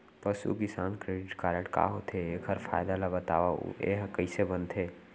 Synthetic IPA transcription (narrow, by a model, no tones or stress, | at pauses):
pəsṵkɪsaːnkɾeːɖɪʈkaɾeʈka̰ɦot̪ʰeekʰəɾfʰa̰ːjd̪alabət̪a̰ːʋa̰ḛɦkəɪsebənt̪ʰeː